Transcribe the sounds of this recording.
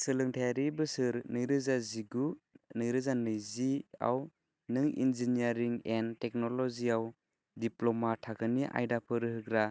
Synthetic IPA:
sɯlɯŋtʰajaɾibɯsɯɾnɯjɾɯzaziɡunɯjɾɯzanɯjzia̰w | nɯŋḭnziniaɾiŋentɛk̚nɔlɔziaw | diplɔmatʰakʰɯniʔa̰jdapʰɯɾɯɦɯkɾa

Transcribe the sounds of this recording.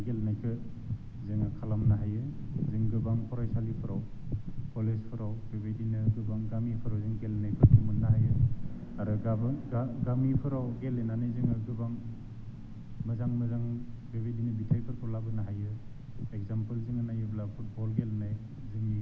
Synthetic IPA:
ɡelnajkʰɯ | zɯŋakʰalamnaɦajɯzɯŋɡɯbaŋpʰɔɾajsalipʰɯɾawpolespʰɯɾawbebedinɯɡɯbaŋɡamipʰɯɾawzɯŋɡelnajpʰɯɾpʰɯmɯnːaɦajɯ | aɾɯɡabɡaɡamipʰɯɾawɡelenanɯjzɯŋɯɡɯbaŋ | mɐzaŋmazaŋ | bebedinɯbitʰajpʰɯɾpʰɔlabɯnaɦajɯ | ek̚zampɯlzɯŋanajɯblapʰut̚bɔlɡelnaj | zɯŋi

